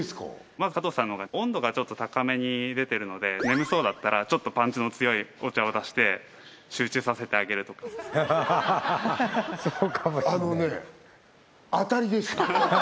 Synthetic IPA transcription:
eska̰ | mazɨkat̪oːsãnːoɡaõ̞nd̪o̞ɡat͡ɕo̞t̪ːo̞t̪akame̞ɲ̟id̪e̞t̪e̞ɾɯ̟no̞d̪e̞ne̞mɯ̟so̞ːd̪at̪ːaɾat͡ɕo̞t̪ːo̞pãɲ̟t͡ɕino̞t͡sɨjo̞io̞t͡ɕaod̪aɕi̥t̪e̞ | ɕɨːt͡ɕɨːsase̞t̪e̞aɡe̞ɾɯ̟t̪o̞kḁs | sokamaanone | at̪aɾʲid̪e̞sɨ̥ka

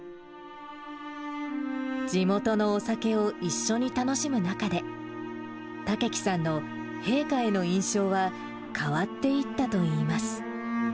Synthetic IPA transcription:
d͡ʑimo̞t̪o̞no̞ːsake̞o̞ʔiɕːo̞ɲ̟it̪ano̞ɕimɯ̟nakad̪e̞ | t̪ake̞kʲi̥sãnːo̞ | he̞ːkaeno̞ĩɰ̃ɕo̞ːβa | kʰaβat̪ːe̞it̪ːat̪o̞iːmasɨ̥

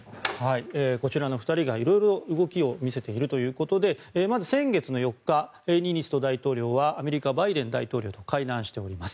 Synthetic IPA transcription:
haieko̞t͡ɕiɾano̞ɸɯ̥t̪aɾʲiɡaiɾo̞jɾo̞ɯ̟ɡo̞kʲio̞mʲise̞t̪e̞iɾɯ̟t̪o̞jɯ̟ːko̞t̪o̞d̪e̞mazɨsẽ̞ŋɡe̞t͡sɨno̞jo̞kːa | eɲ̟ʲiɲʲisɨ̥t̪o̞d̪ait̪o̞ːɾʲo̞ːβaːme̞ɾʲikabaid̪ẽ̞nd̪ait̪o̞ːɾʲo̞ːt̪o̞kaid̪ãɰ̃ɕi̥t̪e̞o̞ɾʲimasɨ̥

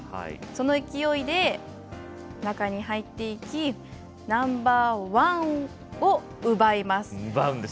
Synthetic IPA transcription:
ha̰ḭso̞no̞ikʲijo̞id̪e̞ | nakaɲ̟iɦait̪ːe̞ikʲi | nãmbaːβã | o | ɯ̟baemasɨ̥baɯ̃nd̪e

